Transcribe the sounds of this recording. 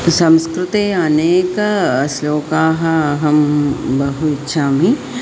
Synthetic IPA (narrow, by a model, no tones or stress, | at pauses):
sɐ̃mskɾɪt̪iɐneːksloːkaːɦɐɦɐmbɐɦuɪtːʃʰaːmi